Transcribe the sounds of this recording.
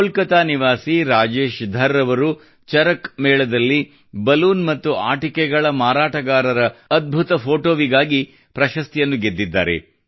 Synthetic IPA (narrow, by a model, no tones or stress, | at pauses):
olkɐt̪aːniʋaːsiɾaːd͡ʒe̞ːʃd̪ʱɐɾːɐʋɐɾu | t͡ʃɐɾɐkmɛːɭɐd̪ɐlːi | bɐluːnmɐt̪ːuaːʈikɛɡɐɭɐmaːɾaːʈɐɡaːɾɐɾɐːd̪̚bʱut̪ɐpʰo̞ːʈoːʋiɡaːɡi | pɾɐʃɐst̪ijɐnːuɡed̪ːid̪ːa̰ːɾe̞̰